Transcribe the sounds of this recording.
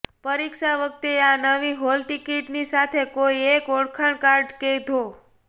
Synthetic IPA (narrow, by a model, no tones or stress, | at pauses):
pəɾikʃaʋək̚t̪eanəʋiɦolʈikiʈnisat̪ʰekoiekoɽkʰəɳkaɾɖked̪ʱo